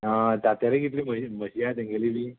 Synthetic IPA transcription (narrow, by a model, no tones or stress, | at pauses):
əd͡z̪at̪jaɾẽɡit̪liːməməɕiat̪ẽŋɡʱeliliː